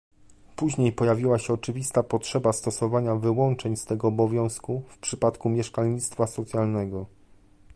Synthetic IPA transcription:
puʑɲejpɔjavʲiwaɕɛɔt͡ʂɘvʲist̪apɔtʂɛbast̪ɔsɔvaɲavɘwɔnt͡ʂɛɲst̪ɛɡɔːbɔvʲjɔ̃w̃skufpʂɘpat̪kumʲjɛʂkalɲit̪st̪fasɔt̪sjalnɛɡɔ

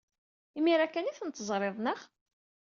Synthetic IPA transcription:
imiɾækːæniθənt̪ːəzˤɾˤeðˤnəʁ

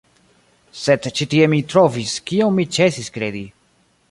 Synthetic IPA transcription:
sedt͡ʃitie̞mitɾo̞viskionmit͡ʃe̞siskɾe̞di

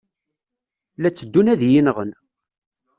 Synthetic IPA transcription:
læt͡sːəd̪ːunæðjinəʁən

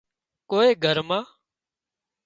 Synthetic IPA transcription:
koːeːɡʱəɾmãː

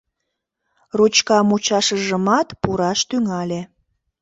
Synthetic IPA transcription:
rut͡ɕkɑmut͡ɕɑʃəʒəmɑt̪puɾɑʃt̪yŋɑlʲe

